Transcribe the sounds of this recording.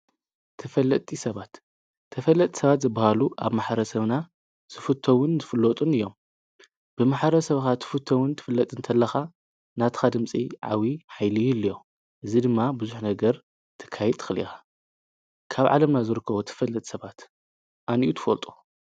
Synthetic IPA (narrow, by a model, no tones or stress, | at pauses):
t̪ʰɨfɐlːɐt̪ʼisɐβat̪ʰː | ɐfɐlːɐt̪ʼi̥sɐβat̪zɨbahaluʔa̰βmaħɾɐsɐβna | z̥ɨfɨt̪ʰowʊnzɨfɨlːot̪ʼunɨjːo̞m | b̥ɨmaħɾɐsɐβxat̪ʰɨ̥fɨt̪ʰːɐwʊnt̪ʰɨ̥fɨlːɐt̪ʼɨnt̪ʰɐlːɐxa | nat̪ʰɨ̥xad̪ɨmt͡sʼiʕa̰wiħajlijlːijo | ʔɨzid̪ɨmːabɨzuħnɐɡɐɾ | t̪ʰɨ̥kʰːajɛd̪ʰɨ̥xɨlḭxḁ | kʰaβʕa̰lɐmnazɨɾɨkːɐβot̪ʰɨ̥fɐlːɐt̪ʼsɐβat̪ | ʔaniʔut̪ʰɨ̥fɐ̰lt̪ʼu̥